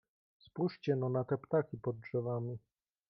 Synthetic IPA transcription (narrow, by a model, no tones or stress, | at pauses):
spuʂt͡ɕɛnɔnat̪ɛpt̪akʲipɔd̪̚ʐɛvamʲi